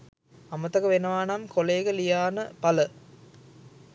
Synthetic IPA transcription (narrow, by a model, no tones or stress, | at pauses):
ɐmət̪ɐkɐʋenɐʋaːnamkoleːɡəlijaːnəpɐlə